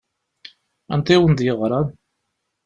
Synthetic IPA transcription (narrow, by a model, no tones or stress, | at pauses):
ænt̪iwənd̪jəʁɾˤɑn